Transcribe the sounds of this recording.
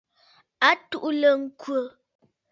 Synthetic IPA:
a˦tu˦ʔu˦lə˨ŋ̩˦kwə˨

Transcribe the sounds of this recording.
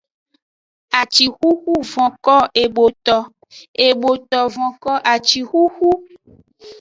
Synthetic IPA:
a˨t͡ʃi˨xu˦xu˦vɔ̃˨kɔ˦e˨bo˨t̪ɔ˨ | e˨bo˨t̪ɔ˨vɔ̃˨kɔ˦ʔa˨t͡ʃi˨xu˦xu˦

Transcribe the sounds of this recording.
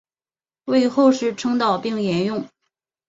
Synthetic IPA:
we˥˧ɪxo˥˧ʊʂɻ̩˥˩ʈ͡ʂʰɤ˥ŋt̪ɑ˥˧ʊpi˥˩ŋjɛ˧˥njʊ˥˩ŋ

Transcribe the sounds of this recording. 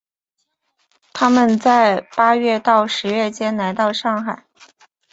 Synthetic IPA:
t̪ʰa˥mə˨nt͡sa˥˩ɪpa˥ɥɛ˥˧t̪ɑ˥˩ʊʂɻ̩˧˥ɥɛ˥˩t͡ɕjɛ˥nla˧˥ɪt̪ɑ˥˧ʊʂɑ˥˩ŋxa˨˩˦ɪ

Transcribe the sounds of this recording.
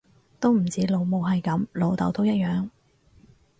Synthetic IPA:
t̪o˥wm̩˨˩t͡siː˨˥lo˨˧wmo˨˧wɦɐ˨jkɐ˨˥mlo˨˧wt̪ɐ̰˨˥wt̪o˥wjɐ˥t̚jœː˨˧ŋ

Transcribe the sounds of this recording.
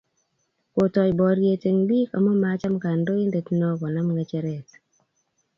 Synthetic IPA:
ko˨tɔ˨jbɔ˨ɾje˨te˨ŋdi˦ka̰˨mo˦ma˦t͡ʃa˦mka˨ndo˦ɪ˦nde˨tnɔ˦kɔ˨na˦mŋa˨t͡ʃe˨ɾɛ˨t

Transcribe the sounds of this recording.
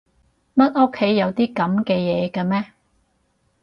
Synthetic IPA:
mɐ˥t̚o˥kʰːe˨˥jːɐ˨˧wt̪iː˥kɐ˨˥mkɛː˧jɛː˨˧kɐː˧mɛː˥

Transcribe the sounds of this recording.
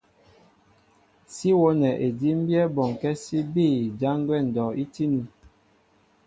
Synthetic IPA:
si˦wo˦nɛ˨ʔe˨di˦m̩˦bjɛ˦bɔ˨ŋ˨kɛ˦si˦biː˦˨d͡ʒa˦ŋ˦ɡwɛ˦˨n̩˨dɔ˨i˦ti˦nu˨

